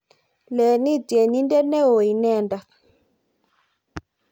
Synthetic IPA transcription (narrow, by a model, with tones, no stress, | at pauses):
lɛ˨ni˦d͡ʒe˨ni˦ndɛ˦nɛ˦wo˨ji˨nɛ˦˨nda˨